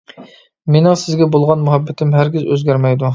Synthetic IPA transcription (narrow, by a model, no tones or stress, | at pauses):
menɪŋsɪzɡʲɛbolˠʁɑnmuɦɛbːɛt̪ʰɪmɦæɾɡʲɪzø̰zɡʲæɾmɛjd̪u